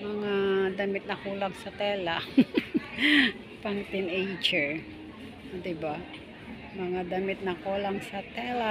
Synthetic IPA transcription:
mɐŋad̪ɐmɪt̪̚nɐkulaŋsɐt̪ɛːla | paŋt̪ɪnejt͡ʃɛɹ | d̪ɪba | mɐŋad̪amɪt̪̚nɐkolaŋsɐt̪ɛla

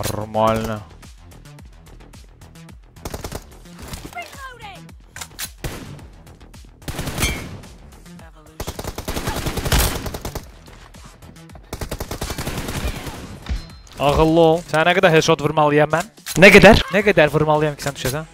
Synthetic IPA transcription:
ɾmalʲna | ɑɣɯlˠːɯolˠsænæɡɛd̪æɾhet͡ʃot̪vɯɾmalˠːɯjamæn | nɛɡɛd̪æɾnɛɡɛd̪æɾvɯɾmalˠɯjamcʰi̥sænd̪yʃæsæn

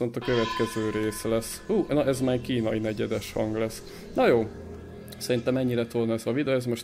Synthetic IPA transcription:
o̞nt̪ɒkøvɛt̪kɛzøːɾeːslɛs | huːnoʔɛzmaːkiːnɒinɛɟɛd̪ɛʃhɒŋɡlɛsː | nojoː | sɛɾint̪ɛmɛɲːiɾɛt̪olnɛzʋɒvid̪oɛzmo̞ʃt̪

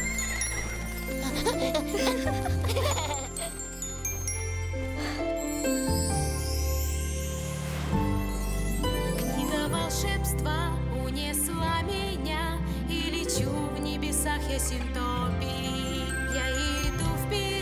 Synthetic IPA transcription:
knʲiɡ̪əmɐlˠʂɛpst̪və | ʊnʲɛslˠəmʲɪ | nʲa | ilʲɪt͡ɕu | vnʲɪbʲɪsaxjasʲɪnt̪o | pʲi | ja | ɪd̪uvpʲɪ

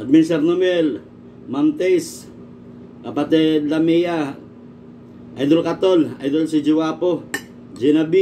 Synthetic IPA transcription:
ad̪̚minsɛɾnomɛl | mamt̪ɛs | kapat̪ɛlamɛja | ʔajd̪olkat̪ola̰jd̪olsid͡ʒiwapo | d͡ʒɛnabi

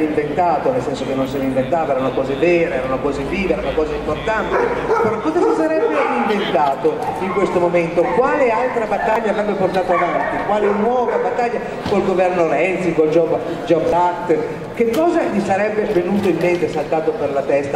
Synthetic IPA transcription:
iɱvent̪aːt̪onelsɛnsok̟enːonsɛːneiɱvent̪aːt̪oɛːɾaunokɔːzevɛːɾeɛːɾaunokɔːzeviːveɛɾaunakɔːzaimport̪ant̪epeɾɔkːɔzasisaɾɛbːeiɱvent̪aːt̪oiŋkwest̪omoment̪okwaːlealt̪ɾabat̪ːaʎːavɾɛbːeport̪aːt̪oavant̪ikwaːlenwɔːvabat̪ːaʎːa | kolɡovɛrnoɾɛnsikold͡ʒɔb | d͡ʒɔbakt̪ | kekːɔːzaʎisaɾɛbːevenuːt̪oilmːent̪esalt̪aːt̪operlat̪ɛst̪a

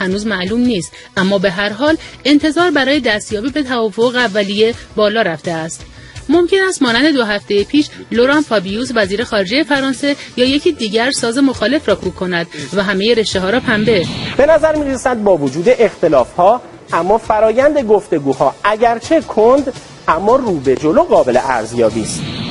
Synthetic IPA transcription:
hænuːzmæʔluːmniːst̪ | ʔæmːɒːbe̞ɦæɾɦɒːle̞nt̪ʰe̞zɒːɾbæɾɒːje̞d̪æst̪jɒːbiːbe̞t̪ʰævɒːfo̞ɣeævːælije̞bɒːlɒːɾæft̪e̞æst̪ | mo̞mcʰe̞næst̪mɒːnænd̪e̞d̪o̞ɦæft̪e̞jepʰiːʃlo̞ɾɑːnfɒbijusvæziːɾe̞xɒːɾe̞d͡ʒe̞je̞fæɾɒːnse̞jɒːje̞cʰiːd̪iːɟæɾsɒːze̞mo̞xɒːle̞fɾɒːkʰuːkʰːo̞næd̪væɦæme̞je̞ɾe̞ʃt̪eɦɒːɾɒːpʰæmbe̞b̥e̞næzæɾmiːɾesæd̪̚bɒːvod͡ʒuːd̪e̞ʔext̪e̞lɒːfhɒː | ʔæmːɒːfæɾɒːjænd̪e̞ɡo̞ft̪e̞ɡuːhɒːʔæɟæɾt͡ʃʰe̞kʰond̪ | ʔæmːɒːruːbe̞d͡ʒoloɣɒːbe̞lḛʔæ̰ɾzjɒːbiːst̪

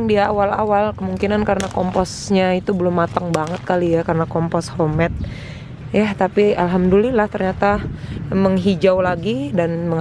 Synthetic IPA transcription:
ŋdiaːwala̰walkəmuŋkinankaɾənakɔmpɔs | ɲait̪ubəlʊmːat̪aŋbaŋət̪̚kalijakarənakɔmpɔshomɛt̪̚ | jat̪apialɦamdulilaht̪ərɲat̪aməŋɦid͡ʒawlaɡidanməŋ

